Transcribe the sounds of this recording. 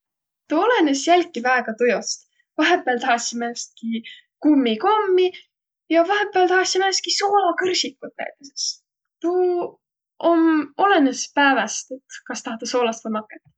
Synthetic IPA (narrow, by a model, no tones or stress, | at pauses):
t̪uole̞nesjælʲkːˑivæeɡ̥ɑt̪ujost̪ | vɑɦepːˑelt̪ɑɦɑsimæst̪̚ki | kumːiko̞mːi | jɑvɑɦepːˑeɑlt̪ɑhɑsimeest̪kisoːlɑkɤrsikːˑut̪lḛt̪ːeses | t̪u | ʔomo̞le̞nespæːvɑst̪et̪kɑst̪ɑhɑt̪ːˑesoːlɑst̪ɑmɑkˑːet̪ː